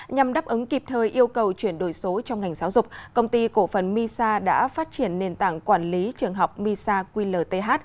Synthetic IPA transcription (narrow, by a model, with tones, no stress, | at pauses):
ɲa˨˩mɗaː˦˥pʔɨ˨˦ŋki˨˩p̚t̪ʰəː˧jʔi˧əwkə˨˩wt͡ɕwi˧˩ənɗo˧˩jso˨˦t͡ɕɔ˧ŋ͡mŋa˨˩jŋ̟z̥aː˨˦wzʊ˨˩k͡p̚kə˧wŋ͡mt̪i˧ko̰˧˩fə˨˩nmi˧saː˧ɗa̰ː˧˥faː˦˥t̚t͡ɕi˧˩ənːe˧nt̪a̰ː˧˨ŋkwaː˧˩nli˨˦t͡ɕɨ˨˩əŋɦɔ˨˩wk͡p̚mi˧saː˧kwi˧ləː˨˩t̪e˧ɦaː˦˥t̚